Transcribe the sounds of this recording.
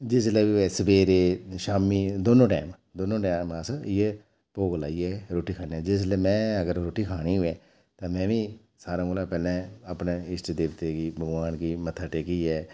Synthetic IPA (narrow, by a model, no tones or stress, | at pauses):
d͡ʒɪsleːʋiɛːsəbeːɾeːʃaːmiːd̪oːnõːʈɛ̰ːm | d̪oːnõːʈɛːməsɪ | poːɡla̰ːiːɛːɾoːʈiːkʰaːniɛːd͡ʒɪs̬lɛːmɛ̃ːəɡəɾɾoːʈiːkʰaːɽ̃iːʊẽː | t̪ãːmɛ̃ːʋĩː | saːɾãːɡoːlaːpɛːlɛ̃ːəpneɪsʈːd̪eːʋt̪eːkiːbəɡʋaːnkiːmət̪ʰəʈeːkiːɛː